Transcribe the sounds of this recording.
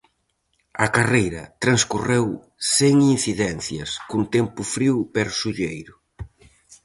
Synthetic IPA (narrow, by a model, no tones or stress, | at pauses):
ɐkarejɾɐ̰t̪ɾɐnskurew | seŋin̟θiðɛnθjɐ̰skunt̪ɛmpʊfɾiwpɛɾsuʎejɾʊ